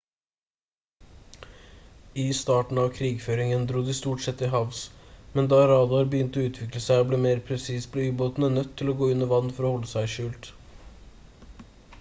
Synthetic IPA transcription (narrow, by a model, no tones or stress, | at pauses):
ɪst̪ɑːʈɳ̩ɑːʋkʰɾiːɡføːɾɪŋənd̪ɾuːd̪ɪst̪uːʈsɛt̪ːɪɦɑʋsmɛnd̪ɑːɾɑːd̪ɑːɾbəjʏnt̪ɔʉːt̪ʰʋɪkləsæɪɔbleːmeːɾpʰɾɛsiːspʰlɛyːboːt̪nənœt̪ʰːɪlɔɡoːʏnːəʋɑnːfɔɾɔːhɔlːəsæɪʃʉːlt̪